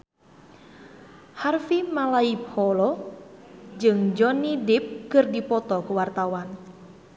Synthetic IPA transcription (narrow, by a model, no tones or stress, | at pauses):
harfimalaip̚hɔlɔ | d͡ʒɨŋd͡ʒɔnidip̚kɨrdipɔt̪ɔkuwart̪awan